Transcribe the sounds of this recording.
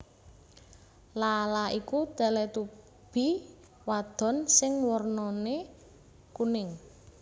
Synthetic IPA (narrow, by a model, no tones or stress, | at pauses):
lalaʔikud̪ɛ̤lɛt̪u | b̥i̤ | wad̪̥ɔ̤nsɪŋwɔrnɔne | kunɪŋ